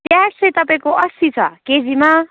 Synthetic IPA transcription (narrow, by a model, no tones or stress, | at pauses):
p̪jaɽsʌjt̪ʌpaĩkoʔʌsit͡sʰʌ̰ked͡zima